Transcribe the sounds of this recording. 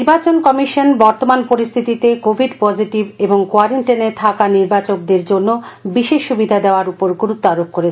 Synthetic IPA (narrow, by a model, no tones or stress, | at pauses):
ɾbat͡ɕonkɔmiʃonbɔɾt̪omanpoɾist̪ʰit̪it̪ekobʱiɖpɔd͡ʑiʈibeboŋkoaɾiɳʈenet̪ʰakaniɾbat͡ɕok̚d̪eɾd͡ʑonːobiʃeʃːubid̪ʱad̪eoaɾupoɾɡuɾut̪ːoaɾofkoɾet͡ɕʰ